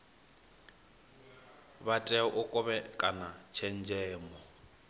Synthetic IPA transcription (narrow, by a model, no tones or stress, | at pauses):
batʼɛɔʔʊkʼɔβɛkʼanat͡ʃʰɛn̩d͡ʒɛːmɔ